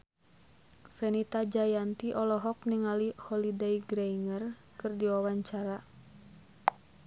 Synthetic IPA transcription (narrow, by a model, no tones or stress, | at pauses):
fɛnit̪ad͡ʒajant̪iʔɔlɔɦɔk̚niŋalihɔlideiɡɾɛiŋər | kɨrdiwawaɲt͡ʃaɾa